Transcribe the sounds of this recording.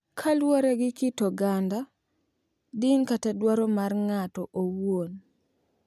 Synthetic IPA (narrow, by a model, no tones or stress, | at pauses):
kʰalwoɾɛɡɪkitoɡanda | dɪŋkatɛdwaɾomarŋatɔʔowwon